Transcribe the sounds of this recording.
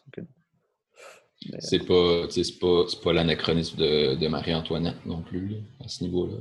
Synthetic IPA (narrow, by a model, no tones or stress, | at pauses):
sɛpʌt͡sesɛ̥pʌsɛ̥pʌlanakχɔnɪsmd̪əd̪əma̰ʁiɑ̃t̪wanɛt̪̚nɔ̃plylasənivola